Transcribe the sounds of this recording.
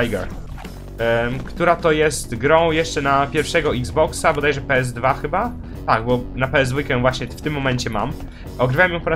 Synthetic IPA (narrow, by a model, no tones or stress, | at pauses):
ajɡɛ̰ɾ | kt̪uɾat̪ɔjɛst̪ɡɾɔ̃w̃jɛʂt͡ʂɛnapʲjɛɾfʂɛɡɔiɡzbɔksabɔd̪ajɛʐɛpɛɛzd̪vaxɘba | t̪aɡbɔnapɛɛzd̪vujkɛjɛ̃vwaɕɲɛft̪ɘmːɔmɛɲt͡ɕɛma̰m | ɔɡɾɘvawɛmjɔ̃w̃pɔɾa